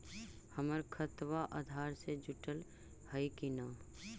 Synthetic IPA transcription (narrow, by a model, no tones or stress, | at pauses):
həməɾkʰət̪ʋaʔaːd̪ʱaːɾsed͡ʒʊʈəl | həikinaː